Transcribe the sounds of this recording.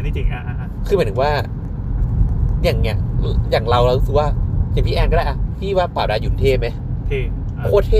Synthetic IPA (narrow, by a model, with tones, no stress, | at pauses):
i˧˩i˧ŋ˧ | kʰɯː˧m˨˦t̪ʰɯ˩˧waː˥˩ | jaː˨˩ŋi˧˩jaː˨˩ŋɾa˧wɾa˧wɾu˦˥sk̚waː˥˩t͡ɕa˨˩pʰi˦˥ʔɛː˧nkɔ˥˩a˧˩ʔa˧˩pʰiː˥˩waː˥˩paː˨˩w̚daː˧juː˨˩˨t̪ʰeː˥˩ma˦˥jʰ | kʰoː˥˩t̪ʰeː˥